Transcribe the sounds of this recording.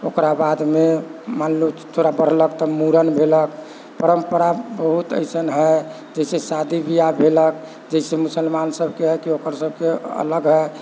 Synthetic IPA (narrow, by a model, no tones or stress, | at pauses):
okɾabad̪memanlut̪ʰoɾabəɽ̤ləkt̪ɔmuɾənbʱelək | pəɾəmpəɾabəɦut̪ə̰ɪsənɦə | d͡ʒəisesad̪ibʱijabʱelək̚ | d͡ʒəɪsemusəlmansəbʱkeɦəkiokəɾsəb̚ʱkeə̰ləɡɦə